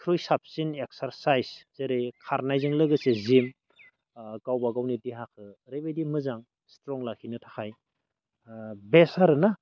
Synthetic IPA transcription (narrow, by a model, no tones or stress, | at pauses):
kʰɾujsap̚sinek̚saɾsajzzeɾekʰaɾnajzɯŋlɯɡɯsezim | ɡawbaɡawnitiɦakʰɯɾebejdimɯzaŋ | stɾɔŋlakʰinɯtʰaxʰaj | besaɾɯna